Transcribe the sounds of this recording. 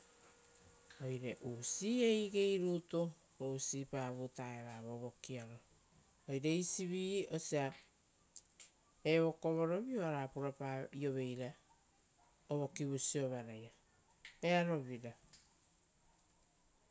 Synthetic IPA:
o̞jɾe̞ʔuːsiːejɡe̞jɾuto | ɾousipaːβutaeβaβoβo̞kiaɾo | ojɾe̞isiβio̞sia | eβo̞ko̞βo̞ɾo̞βioaɾapuɾaaio̞βe̞jɾa | oβo̞kiβusio̞βaɾaja | e̞aɾo̞βiɾa

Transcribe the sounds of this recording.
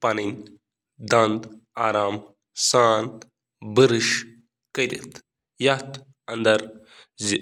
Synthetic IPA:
pɐnin | d̪ɐnd̪aːɾaːm | saːn | bɨɾɨʃ | kɐd̪ḭt̪ | jɐt̪ | ɐnd̪ɐɾ | zi

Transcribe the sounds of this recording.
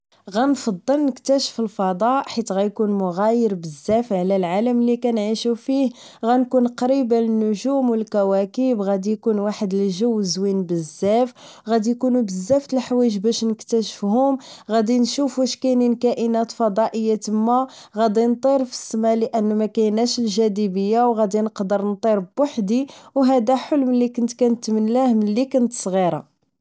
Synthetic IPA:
ɣænfɑd̪ˤːəlnəkt̪æʃə̥fəlfɑd̪ˤɑʔħit̪ɣæjkunmʊɣæjəɾbəzːæfʕlælʕaləmlikænʕiʃufih | ɣænkunqɾibaənːʊʒumwəlkæwækəbɣæd̪ijkunwaħəd̪əlʒəwːəzwinbəzːæf | ɣæd̪ijkunubəzːæft̪əlħwæʒbæʃnəkt̪æʃə̥fhʊmɣæd̪inʃufuʃkæjninkæʔənæt̪fɑd̪ˤɑʔəjːat̪əmːæɣæd̪int̪ˤiɾfə̥sːmæləʔənːmækæjnæʃəlʒæd̪ibəjːawɣæd̪inəqd̪əɾnt̪ˤiɾˤbwaħd̪iwɦæd̪æħəlːmənlːikʊnt̪kænət̪mənlæhmənlːikənt̪sˤɣiɾˤɑ̰

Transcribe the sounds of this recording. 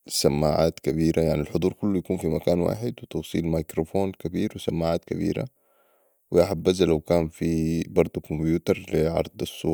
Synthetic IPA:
samːaːʕa̰ːt̪kabiːɾajaʕnilħʊd̪ˤuːɾkulːujakuːnfimakaːnwa̰ːħɪd̪wɪt̪ɑwsˤḭːlmajkɾofoːnkabiːɾwɪsamːaːʕaːt̪kabḭːɾa̰ | wɪaħabːazalawkaːnfibɑɾˤd̪ˤukombjuːt̪ɑɾˤliʕɑ̰ɾˤd̪ˤɑsˤːṵː

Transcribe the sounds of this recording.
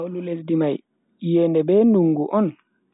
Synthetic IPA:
wlulesdimaj | jɛndɛbɛːnuŋɡuʔɔn

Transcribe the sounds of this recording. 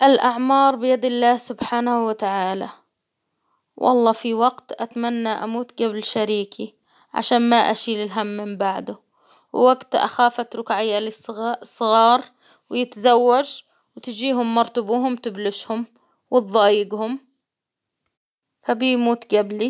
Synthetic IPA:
ʔɪlʔaʕmɑːɾˤbɪjad̪ɪlːaːhsʊbħaːnahuwat̪aʕaːla | wʔɑ̰lˤːɑːfiwaɡt̪ʔat̪amanːaʔa̰muːt̪ɡablʃaɾiːkʰi | ʕa̰ʃaːnmaʔa̰ʃiːlɪlɦamːɪmbaʕd̪ʊ | wwaɡt̪ʔa̰xaːfat̪ɾʊkʕɪjːalɪssˤːɨɣɑːɾˤ | wɪjɪt̪zawːad͡ʒ | wɪt̪ɪd͡ʒiːɦʊmːɑɾˤt̪ʊbuːɦʊmt̪ɪblɪʃhʊm | wɪt̪̚ðˤɑːjɪɡhʊm | fabimuːt̪ɡabli

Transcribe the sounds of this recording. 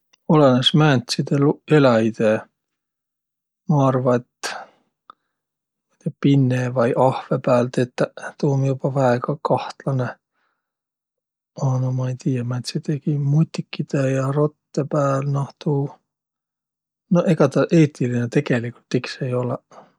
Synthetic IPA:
o̞lenesmænt̪ʲsid̪̥eluelɑid̪̥e | mɑɑrvɑet̪ | mit̪epinːevɑjʔɑhvepæːlt̪et̪ːæt̪uːmjubɑvæeɡɑkɑht̪lɑne | onomɑejt̪iːjɑmæt̪sit̪ekimut̪ʲːikːid̪̥ejɑro̞t̪ːepæːlnɑht̪uː | noʔeɡ̥ɑt̪ɑʔeːt̪ilinet̪e̞ɡ̥e̞likːult̪ːikse̞jo̞le

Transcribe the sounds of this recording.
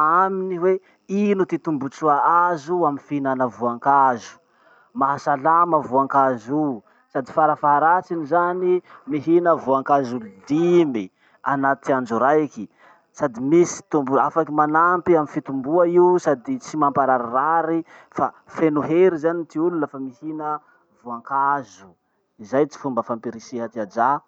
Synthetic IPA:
aminiwe | inut̪it̪umbut͡suaazuamifinanəvuaŋkazu̥ | maɦasalaməvuaŋkazi | sad̪ifaɾafaɦaɾat͡sinizanimiɦinəvuaŋkazulud̪imi | anat̪iand͡ʒuɾajki | sad̪imisi̥t̪umbuafakimanampiaminfit̪umbuaiusad̪it͡simampaɾaɾaraɾifa | fenuɦeɾizanit̪iulunafamihinə | vuaŋkazu | izajt͡si̥fumbəfampiɾisiɦat̪iad͡ʒa

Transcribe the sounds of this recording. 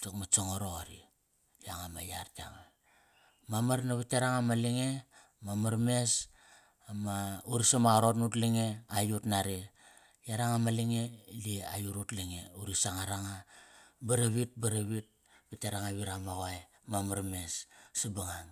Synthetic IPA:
takmat͡ʃoŋoɾoɣaɾḭ | jaŋamajaɾta̰ŋa | mamaɾnaβitaɾaŋamaliŋe̞ | mamaɾmes | mauɾisamaɣɾotnutliŋeajutnaɾe | jaɾaŋamaliŋelia̰juɾutliŋeuɾisaŋaɾaŋabaɾaβit̚baɾaβit̚ | bitaɾaŋaβiɾamaɣaj | mamaɾmessabaŋan

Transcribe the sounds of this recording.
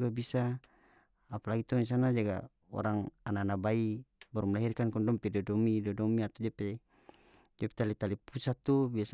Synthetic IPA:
ɡabisaː | palaɡit̪ɔnis̬anad͡ʒaɡa̰ | ɔ̰ɾaŋananabaibaɾumlaɦirkankɔndɔmpidɔdɔmidɔdɔmiat̪ɔd͡ʒapɛ | d͡ʒapɛ̥t̪alit̪alipusat̪ubias

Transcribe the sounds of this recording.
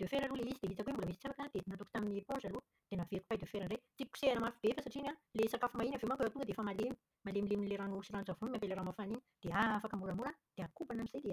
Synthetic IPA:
d̪̥ewfeɾaluleizid̪eit̪akuembuləmisi̥t͡safakad̪enant̪uki̥t̪aminipõzalu | d̪̥enaveɾiku̥pajd̪efeɾaɳɖ͡ʐejt͡sii̥ku̥seanəmaɾfubefasaʈ͡ʂinalesakafumainavemakueawt̪uŋɡəd̪eefəmalemi̥ | malemileminileɾanusiɾanuzavumimampeleɾamafaniɲid̪̥eafakəmuɾamuɾad̪̥eakubanamiz̥ed̪e

